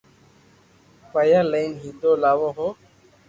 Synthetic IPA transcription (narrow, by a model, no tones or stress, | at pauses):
fajalanhidɔlawɔɦɔ